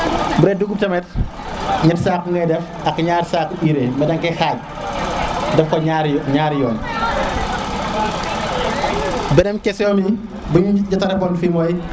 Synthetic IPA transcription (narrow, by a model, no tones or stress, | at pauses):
buɾɛduɡup̚tɐmɛt̚ | ɲɐtsaːkːuŋɡɐjdɛf | ɐkːɲaːɾsaːkːuʔiɾemɛdɐŋkɛxaːɟ̚ | dɛfkɔaɾɲaːɾjɔːn | bɛdɛmkɛsɔːmi | buɲuɟɐtɐɾɛbɔnfimɔj